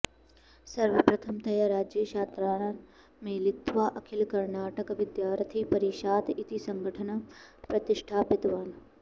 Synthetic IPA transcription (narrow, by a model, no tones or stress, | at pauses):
sɐɾʋɐpɾɐt̪ʰɐmt̪ɐjəɾaːd͡ʒjəʃaːt̪ɾaː | mẽlɪk̚t̪ʋaːʔɐkʰɪlkɐɾnaːʈəkʋɪd̪jaːɾt̪ʰiːpɐɾiːʃaːt̪ɪt̪isɐ̃ŋɡʱəʈʰənapɾɐt̪ɪʃʈʰaːpɪt̪ʋaːn